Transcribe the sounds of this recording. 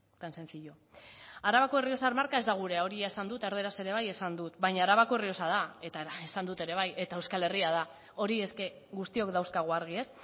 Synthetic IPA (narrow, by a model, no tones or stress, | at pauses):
t̪anse̞nt͡siʎo̞ | aɾaβako̞erio̞saɾmaɾkae̞zd̪aɣ̞uɾe̞ao̞ɾiaesand̪ut̪e̞ɾð̞eɾase̞ɾe̞βaje̞sand̪ut̪bajɲaːɾaβakoerio̞sað̞ae̞t̪aesand̪ut̪e̞ɾe̞β̞aje̞t̪ae̞wskale̞riað̞a | o̞ɾie̞ske̞ | ɣust̪io̞kd̪awskaɣ̞oaɾɣie̞s